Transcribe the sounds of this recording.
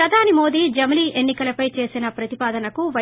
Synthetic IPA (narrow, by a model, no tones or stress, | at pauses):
ɐd̪ʱaːnimo̞ːd̪iːd͡ʒɐmɐliːʔe̞nːikɐlɐpɐjt͡ʃe̞ːsinɐpɾɐt̪ipaːd̪ɐnɐkuʋɐ